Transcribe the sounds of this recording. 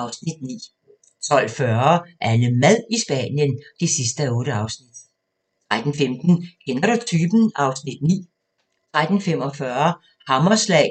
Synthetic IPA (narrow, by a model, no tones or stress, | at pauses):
ʔɑ̈ʊsnid̥nḭː | t͡sʰɒ̽l̰fɶɐʔænəmæðˠisb̥ɛ̰njənd̥e̝sisd̥əæɔ̽ːɾəɑ̈ʊsnid̥ | t͡sʰʁad̥n̩femd̥n̩kʰenɐɾot͡sʰyb̥n̩ɑ̈ʊsnid̥nḭː | t͡sʰʁad̥n̩femɒ̽fɶɐ | hɑmɐslɛ̰ɪ̰